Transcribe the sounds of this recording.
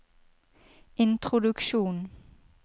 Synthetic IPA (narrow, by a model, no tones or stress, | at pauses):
ʔɪnt̪ʁʊd̪ʉkʃuːn